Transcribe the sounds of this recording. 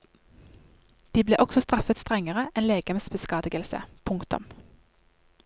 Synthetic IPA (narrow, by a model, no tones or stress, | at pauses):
d̪̥iːbleːʔɔksɔst̪ʁɑfət̪st̪ʁɛŋəʁəʔɛnleːɡ̥əmsbəskɑːd̪ɪɡəlsə̰pʰʊŋkt̪ʊ̰m